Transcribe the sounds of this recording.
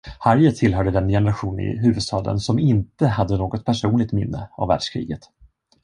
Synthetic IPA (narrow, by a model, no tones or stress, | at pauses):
haɾjət̪ʰɪlɦœːɖəd̪ɛnjɛnəɾaɧuːnɪ̰ɦʉ̟ːvɵd̪st̪ɑːd̪ə̰nsɔmɪnt̪əhad̪ːənoːɡɔt̪̚pʰæʂuːnlɪɡ̚t̪mɪnːəa̰vːæ̰ːɖʂkʰɾḭːɡət̪